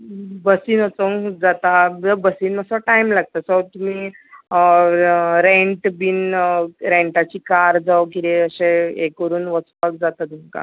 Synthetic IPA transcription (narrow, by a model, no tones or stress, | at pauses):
bəsiːnət͡sə̃d͡zat̪ad͡zəbəsiːnməsəʈaimlaɡ̚t̪asət̪um̤iː | ɾeɳʈbiːnɾeɳʈat͡ɕiːkaɾd͡zawkit̪eəɕẽekʋəɾuːnʋət͡spakd͡zat̪at̪umka̰